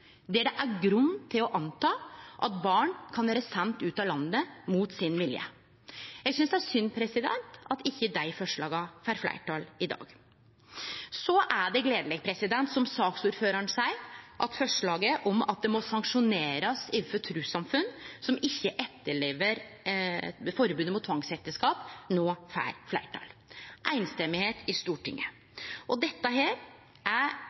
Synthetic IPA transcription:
d̪ɛɖɛʔæɡɾʉnːt̪ʰːɪlɔʔɑnt̪ʰɑːʔɑt̪̚bɑːɳkʰɑnʋæːɾəsɛnt̪ʉːt̪ɑlɑnːəmuːt̪sɪnʋɪljə̰ | jæɪɡsʏnsd̪ɛæʂʏnpʰɾɛsɪd̪ɛ̰nt̪ɑt̪ɪçːəd̪æɪfɔʂɭɑːɡɑfæːɾflæ̰ɪʈɑːlɪd̪ɑ̰ːɡ | sɔʔæɖɛɡleːd̪əlɛɡpʰɾɛsɪd̪ɛnt̪sɔmsɑːksuːɾføːɾɑɳsæɪʔɑt̪fœʂɭɑːɡəʔɔmɑ̰t̪̚d̪ɛmɔsɑŋkʂʊneːɾɑsɪʋfɔt̪ʰɾʉːsɑmfʉnsɔmɪçːəʔɛt̪ːəɭeːʋəɾ | fɔɾbʉːd̪əmʊt̪ʰːʋɑŋsɛt̪ːəskɑːpnoːfæ̰ːɾflæ̰ɪʈʰɑ̰ːlʔæɪnst̪ɛmɪheːt̪ʰɪst̪uːʈɪ̰ŋːə | ʔɔd̪ɛt̪ːəɦeːɾ | ʔæ

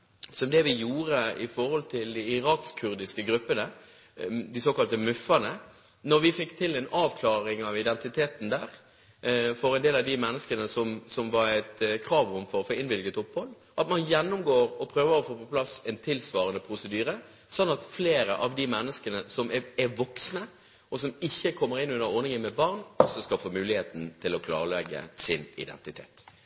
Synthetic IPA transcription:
sɔmd̪ɛʋɪjuːɾəɪ̰fɔɾhɔlt̪ʰɪld̪ɪɪʁɑːkskʰʉʁd̪ɪskəɡɾʉpːənə | d̪ɪsoːkɑlt̪əmʉfːɑnə | nɔɾʋɪfɪkːt̪ʰɪlɛnɑːʋkʰlɑːɾɪŋɑʋɪd̪ɛnt̪ɪt̪ʰeːt̪n̩d̪æːɾ | fɔɾɛnd̪eːlɑʋd̪ɪmɛnːəskənəsɔmsɔmʋɑɾæt̪kʰɾɑːʋɔmfɔɾɔfoːɪnbɪlɡət̪ɔphɔlː | ʔɑt̪mɑnjɛnːʊmɡoːɾɔpʰɾøːʋəɾɔfoːpɔplɑsɛnt̪ʰɪlsʋɑːʁənəpʰʁʊsəd̪yːɾə | sɑnːɑt̪fleːɾəʔɑʋd̪ɪmɛnːəskənəsɔmɛɛʋɔksnə | ʔɔsɔmɪçːəkʰɔmːəʁɪnːʉnːəɔʁnɪŋənmɛbɑʁnɔsɔskɑfoːmʉːlɪheːt̪n̩t̪ʰɪlɔkʰlɑ̰ːʁəɭɛɡːə̰sɪnɪ̰d̪ɛ̰nt̪ɪt̪ʰḛːt̪

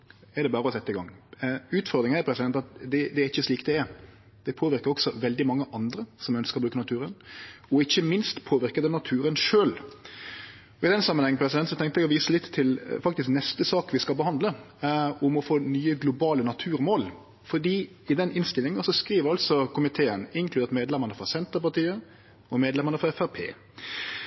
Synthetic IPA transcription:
ɛɾd̪ɛbɑːɾəɔhɑsɛt̪ːɪɡɑ̰ŋːʉːt̪fɔɾd̪ɾɪŋnæpʰɾɛsɪd̪ɛnt̪ɑt̪̚d̪ɛd̪ɛæɾɪçːəsliːkd̪ɛɛɾ | d̪̥ɛpʰoːʋɪɾkəɾɔksɔʋɛld̪ɪmɑŋːəʔɑnd̪ɾəsɔmœnskəɾʁɔbɾʉːkənɑt̪ʰʉːɾənɔɪçːəmɪnst̪pʰoːʋɪɾkəd̪ənɑt̪ʰʉːɾənʂøːl | ɔɪd̪ɛnsɑmənhɛŋːənpʰɾɛsɪdɛnt̪sɔt̪ʰɛŋkt̪ɛɡɔʋiːsəlɪt̪ʰːɪlfɑk̚t̪ɪsknɛst̪əsɑːkʋɪskɑlbəhɑnd̪lə | ʊmɔfoːnyːəɡlʊbɑːlənɑt̪ʰʉːɾmoːl | fɔɖiː | ɪd̪ɛnɪnst̪ɪlːɪŋɑsɔskɾiːʋəɾɑlsɔkʰʊmɪt̪ʰeːənɪŋklʉd̪eːɾt̪meːd̪lɛməɾnəfɾɔsɛnt̪əɾpɑt̪iːə | ɔmeːd̪lɛməɾnəfɔɾɛfæɾpʰḛː

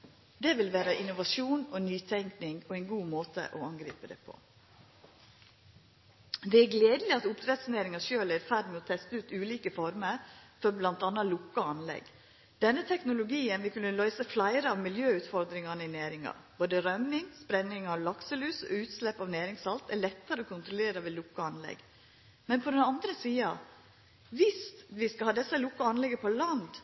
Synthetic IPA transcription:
d̪ɛʋɪlʋæːɾəʔɪnʊʋɑʂuːnonyːt̪ʰɛŋknɪŋoɛɪnɡuːmoːt̪ʰə̰ʔoɑŋɡɾḭːpəd̪ɛ̰ːpʰo̰ | d̪ɛæɾɡleːd̪əlɪɑt̪ʊpd̪ɾɛt̪sneːɾɪŋɑʃøːlæɾfæɖmɛɔːt̪ʰɛst̪əʉːt̪ʉːliːkəfɔɾməɾfɔɾblɑnt̪ɑnːɑlʊkːɑɑnlɛ̰ɡ | d̪̥ɛnːət̪ʰɛknʊlʊɡiːənʋɪkʰʉnːəlœʏsəflæɪɾəɑʋmɪljøːʉːt̪fɔɾd̪ɾɪŋɑnəɪnæːɾɪŋɑ̰boːd̪əɾœmɪŋspɾɛnːɪŋɑʋlɑksəlʉːsɔ̰ʉːt̪slɛpːɑʋnæːɾɪŋsɑlt̪æɭɛt̪ːəɾəɔːkʰʊnt̪ɾʊleːɾɑʋɛlʊkːɑɑnlɛ̰ɡ | mɛnpʰɔd̪ɛnɑnd̪ɾəsiːɑ | ʋɪst̪ʋɪskɑhɑːd̪ɛsːəlʊkːɑɑnlɛɡəpʰɔlɑnd̪

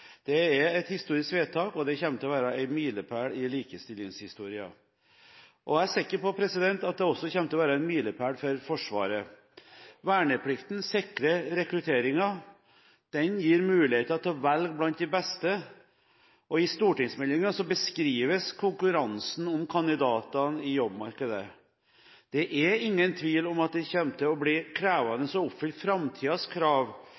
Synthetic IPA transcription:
d̪̥ɛɛɾɛt̪hɪst̪uːɾɪskʋeːt̪ʰɑːkɔd̪ɛçɛmt̪əɔʋæːɾɑæɪmiːləpʰæːɽɪliːkəst̪ɪlɪŋshɪst̪uːɾɪɑ̰ | ʔɔææɾʂɪkːəɾpɔpʰɾɛsɪd̪ɛnt̪ɑt̪̚d̪ɛɔsːɔçɛmt̪əɔʋæːɾɑæɪnmiːləpʰæːɽfɔɾfɔʂʋɑ̰ːɾə | ʋæːɳəpʰlɪkt̪n̩sɪkɾəɾɛkɾʉt̪ʰeːɾɪŋɑ | d̪̥ɛnjiːɾmʉːlɪheːt̪əɑt̪ʰːɑːʋælɡblɑnt̪̚d̪ɪbɛst̪ə | ʔɔɪst̪uːʈɪŋsmɛlɪŋɑsɔbəskɾiːʋəskʰʊŋkʉɾɑnsn̩ɔmkʰɑnd̪ɪd̪ɑːt̪ɑnɪjɔbmɑɾkəd̪ə̰ | d̪̥ɛʔæɾɪŋːənt̪ʰʋiːlɔmɑt̪̚d̪ɛçɛmt̪əɔblɪkʰɾæːʋɑnəsɔʊpfʏlt̪fɾɑmt̪ʰiːɑskʰɾɑːʋ

